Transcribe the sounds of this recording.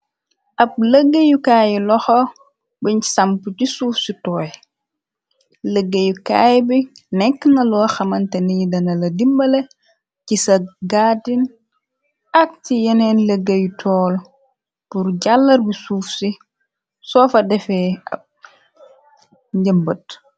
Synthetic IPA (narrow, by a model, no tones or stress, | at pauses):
ʔɐp̚ləɡːəjukaːjilɔxɔ | biɲi̥sampucisuːfsitɔːj | ləɡːəjukaːjbi | nɛkːnɐlɔːxɐmɐntɛnijidɐnɐlɐdimbɐle | cisɐɡaːdin | ɐk̚cijɛnɛnləɡːɐjutʰɔːl | purɟalːɐrbisuːfsi | sɔːfɐdɛfɛɐ̰p̚ | ɲɟəmbət